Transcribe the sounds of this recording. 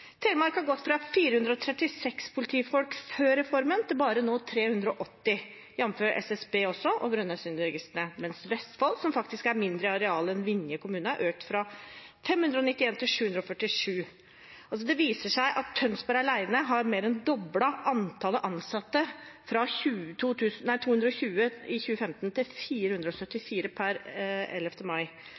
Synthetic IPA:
t̪ʰeːəmɑɾkhɑɾɡɔt̪ːfɾɑfiːɾəhʉnd̪ɾəɔt̪ʰɾɛt̪ːɪsɛkspʰʊlɪt̪ʰiːfɔlkføːɾɛfɔɾmənt̪ʰɪlbɑːɾənoːt̪ʰɾeːhʉnd̪ɾəɔʔɔt̪ːɪ | jɛnːmføːɾʔɛ̰sɛsbeːɔsːɔʔɔbɾœnːɑsyːnɾɛɡɪst̪əɳəmɛnsʋɛst̪fɑlsɔmfɑkt̪ɪskæɾmɪnd̪ɾəɑɾɛɑːləɛnʋɪnjəkʊmʉːnəæ̰ɾʔøːk̚t̪fɾɑfɛmhʉnd̪ɾəɔnɪt̪ːɪeːnt̪ʰɪlʂʉːʉnd̪ɾɔfœʈːɪʂʉː | ʔɑls̬ɔd̪ɛʋiːsəʂæɪʔɑt̪ʰːœnsbæɾɑɭæɪnəɦɑɾmeːɾɛnd̪ɔblɑʔɑnt̪ʰɑːləʔɑnsɑt̪ːəfɾɑçʉːt̪ʰuːt̪ʰʉːsnæɪt̪ʰuːhʉnd̪ɾɔçʉːəɪçʉːəfɛmt̪nt̪ʰɪlfiːɾəhʉnd̪ɾəɔsœt̪ːɪfiːɾəpʰæɾɛ̰lːɛft̪əmɑɪ

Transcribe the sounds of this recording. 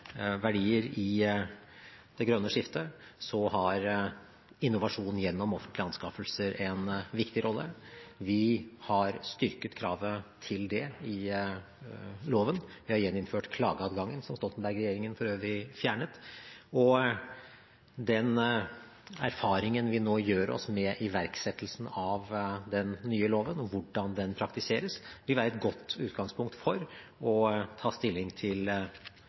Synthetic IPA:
ʋæɖiːəɾɪ | d̪̥ɛɡɾœnːəʂɪft̪əsɔɦɑɾ | ɪnːʊʋɑʂuːnn̩jɛnːɔmɔfənt̪ʰlɪɑnskɑfəlsəɾɛnʋɪkt̪ɪɾʔɔlːə̰ʋɪhɑɾst̪ʏɾkət̪kʰɾɑːʋət̪ʰɪld̪ɛɪ | loːʋənʋɪhɑɾjɛnːɪnføːʈkʰlɑ̰ːɡəɑːd̪ɡɑŋːənsɔmst̪ɔlt̪ənbæɾɡɾɛjeːɾɪŋənfɔɾøːʋɾɪfjæːɳət̪ɔ | d̪ɛn | æ̰ɾfɑːɾɪŋənʋɪnoːjøːɾɔ̰smɛʔɪʋæɾksɛt̪ːəlsn̩ɑʋd̪ɛnːyːəloːʋənɔʋʊɖɑnd̪ɛnpʰɾɑkt̪ɪseːɾəsʋɪlʋæːɾɛt̪̚ɡɔt̪ːʉːt̪ɡɑŋspʰʊŋkt̪fɔɾɔt̪ʰɑːst̪ɪlːɪŋt̪ʰɪl

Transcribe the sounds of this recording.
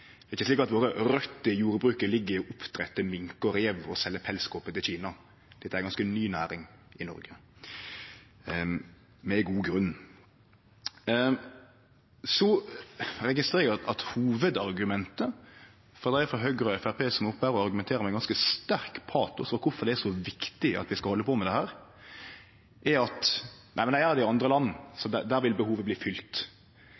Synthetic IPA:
ɪçːəsliːkɑt̪ʋoːɾəɾœt̪ːəjuːɾbɾʉːkəlɪɡːəɾɪɔʔʊpt̪ɾɛt̪ːəmɪŋkɔɾeːʋɔsɛlːəpʰɛlskoːpət̪ɪlçiːnɑ | d̪̥ɛt̪ːəæɾɛɡɑnskənyːnæ̰ːɾɪŋ | ɪnɔ̰ɾɡə | mɛɪɡuːɡɾʉn | sɔ | ɾɛɡɪst̪ɾeːɾəɑt̪huːʋəd̪ɑɾɡʉmɛnt̪ə | fɔʁd̪æfɾɔɦœɡɾɔɛfæpʰeːsɔmɔpːæːɾɔɑɾɡʉmɛnt̪ʰeːəmɛɪɡɑnskəst̪æɾkpʰɑːt̪ʊsfɔkʰʊfɔʁd̪ɛæʂɔʋɪkt̪ɪɑ̰t̪ʋɪskɑhɔlːəpʰɔmɛd̪ɛhæːɾ | ʔæɑt̪næ̰ɪmnd̪ææɾd̪ɛɪɑnd̪ɾəlɑn̩ːsɔd̪æd̪æːɾʋɪlbəhuːʋəbliːfʏlt̪

